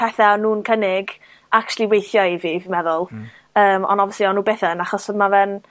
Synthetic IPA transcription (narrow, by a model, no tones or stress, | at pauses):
pʰɛθanuːnkʰənɪɡ | ak̚t͡ʃʰlˠiwejθjɔviːvmɛðʊlˠ | əːmɔ̰nɔvjsliɔnuːbeθəənaχɔsəmavɛn